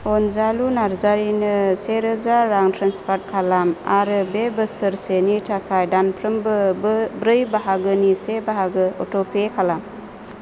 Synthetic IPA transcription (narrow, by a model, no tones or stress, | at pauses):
ɔnzalunaɾzaɾinɯseɾɯzaɾaŋtʰɾanspaɾt̚kʰalamaɾɯbebɯsəɾsenitʰakʰajdanpʰɾɯmbɯbɾɯjbaɦaɡɯnisebaɦaɡɯɔtɔpʰekʰalam